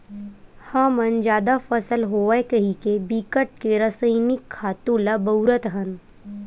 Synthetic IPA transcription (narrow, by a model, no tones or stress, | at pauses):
hamənd͡ʒaːd̪afɐsəlɦoːʋajkɐɦikebikəʈ̚keɾəsəjnɪkʰːaːt̪ũlabɐɾət̪ɦən